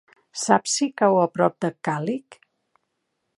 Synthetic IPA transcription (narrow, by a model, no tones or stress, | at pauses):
sapsikawəpɾɔp̚d̪əkalik